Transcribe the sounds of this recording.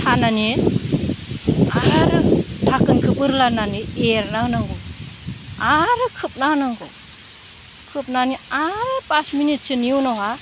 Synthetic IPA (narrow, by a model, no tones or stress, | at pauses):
tʰanane | aɾɯtʰakɯnkʰɯpɯɾlananieɾnanaŋɡɔ | aɾɯkʰɯp̚nanaŋɡɔ̰ | kʰɯp̚naniaɾɯpasminit̚sɯniuwnawɦa